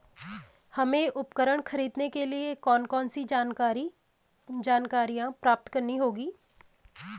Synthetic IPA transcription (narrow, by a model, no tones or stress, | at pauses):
həmẽːʔʊpkəɾəɽkʰəɾiːd̪nekelɪekɔːnkɔːnsid͡ʒaːnaɾi | d͡ʒaːnkaːɾijãːpɾaːp̚t̪kəɾniɦoːɡiː